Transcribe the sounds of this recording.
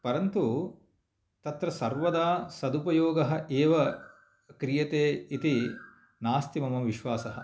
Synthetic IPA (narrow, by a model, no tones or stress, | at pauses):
pɐɾɐnt̪u | t̪ɐt̪ɾɐsɐɾʋɐd̪aːsɐd̪upɐjoːɡɐɦɐ̆ʔeːʋɐ | kɾijɐt̪eːit̪i | naːst̪imɐmɐʋiʃʋaːsɐɦɐ̆